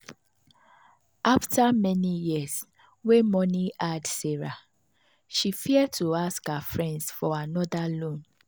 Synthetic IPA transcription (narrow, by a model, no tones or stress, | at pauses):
aftʰamɛnijiəs | wemɔniʔadsɛɹa | ʃifiɛd̚tʰuaskafɹɛ̃ndsfɔanɔdalõn